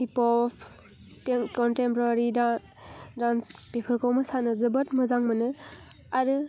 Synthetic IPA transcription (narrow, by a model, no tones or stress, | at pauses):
hipɔpʰ | tkɔntempɔɾaɾi | danspepʰəɾkɔwmɐsanɯzɯbɐtmɯzaŋmɐnɯ | aɾɯ